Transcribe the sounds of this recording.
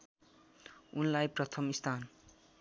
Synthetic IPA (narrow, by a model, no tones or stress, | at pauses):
unlajprʌt̪ʰʌmist̪ʰan